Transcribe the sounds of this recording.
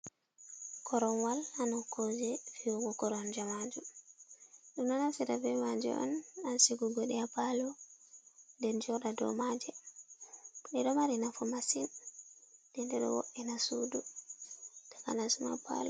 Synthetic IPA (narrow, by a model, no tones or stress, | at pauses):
kʰɔɾɔnwalanɔkod͡ʒɛfiwɔɡɔkɔɾɔnd͡ʒamad͡ʒum | ɗumɗɔnasiɾavɛmad͡ʒɛ̰ʔɔ̰nansiɡuɡɔɗɛapalɔ | ndɛnd͡ʒɔɗadɔ̰mad͡ʒɛ | ɗɛɗɔmaɾinafɔmasin | d̥ɛndɛɗɔ̰wɔ̰ʔɛnasudu | d̥aka̰nasuma̰pa̰lɔ